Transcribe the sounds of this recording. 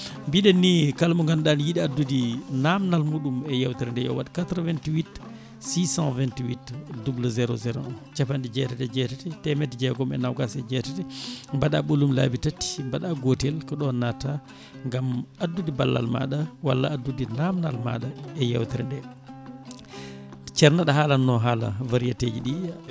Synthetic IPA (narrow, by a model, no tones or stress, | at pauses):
mbiɗɛnːikalmuŋɡanɗanjiɗiadːudinamnalmuɗumɛjawtiɾndɛjɔ̰waɗikatɾɔvɛntiwit | sisãvɛntiwitdubluzɛɾɔ̰zɛɾɔ̰nt͡ʃapandid͡ʒɛtɛtɛd͡ʒɛtɛtɛtɛmɛtd͡ʒɛɡɔmɛ̰nawɡasɛd͡ʒɛtɛtɛmbaɗaɓolumla̰bitatːi̥mbaɗaɡotɛlkɔɗɔnata | ŋɡamadːudiba̰lːa̰lma̰ɗawa̰lːa̰ːdːudinamnalma̰ɗaɛja̰wtiɾndɛ | t͡ʃɛɾnaɗaɦaːlanːɔɦaːla̰vaɾijated͡ʒiɗi